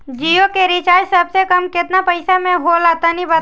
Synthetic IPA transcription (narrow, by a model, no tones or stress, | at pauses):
d͡ʒiːjokeɾit͡ʃaːjsəbsekəmkɪt̪napəɪsamẽɦolaːt̪anĩbət̪